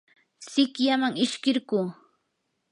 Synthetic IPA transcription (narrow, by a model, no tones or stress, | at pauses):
sɪkjamaŋɪʃkɪɾɢuː